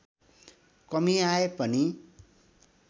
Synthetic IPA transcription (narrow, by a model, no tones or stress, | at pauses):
kʌmiaepʌni